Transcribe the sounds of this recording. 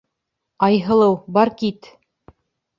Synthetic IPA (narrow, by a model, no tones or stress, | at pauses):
ɑjɦɤ̆lˠɤwbɑɾkit̪